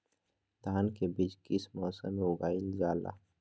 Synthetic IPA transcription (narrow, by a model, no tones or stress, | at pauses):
t̪aːnkebid͡ʒkismɔːsə̰mʊɡaːild͡ʒaːla̰